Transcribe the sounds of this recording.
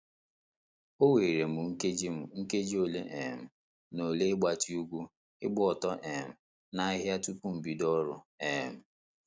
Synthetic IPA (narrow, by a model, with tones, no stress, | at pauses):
o˦we˨ɾe˨m̩˨u˨ŋ̩˦ke˦d͡ʒi˦m̩˨ŋ̩˦ke˦d͡ʒi˦o˨le˦ʔḛ˨m̩˨ | no˨le˦ɪ˦ɡ͡ba˨ti˦u˦ɡʷu˦ | ɪ˦ɡ͡bʊ˦ɔ˨tɔ˦ʔe˨m̩˨ | na˦a˦ɦja˦tu˦pu˦m̩˨bi˨dɔ˦ɾʊ˨e˨m̩˦˨